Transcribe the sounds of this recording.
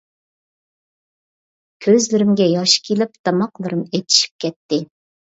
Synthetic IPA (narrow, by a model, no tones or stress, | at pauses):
kʲʰøzlɪɾɪmɡʲɛjɑʃkʲʰilɪp̚t̪ʰɑmɑqlˠɨɾɨmet̪ʰi̥ʃi̥p̚kʲʰɛt̪ːɪ